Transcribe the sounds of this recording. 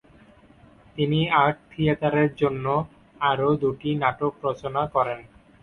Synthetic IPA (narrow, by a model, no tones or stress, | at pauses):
t̪iniaʈ̚t̪ʰijat̪aɾeɾd͡ʑonːo | aɾod̪uʈinaʈokɾɔt͡ɕonakɔɾen